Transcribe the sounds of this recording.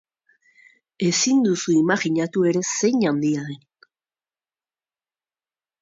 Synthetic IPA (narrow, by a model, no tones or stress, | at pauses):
e̞sind̪usuimaxinat̪ue̞ɾe̞se̞jɲand̪iaðen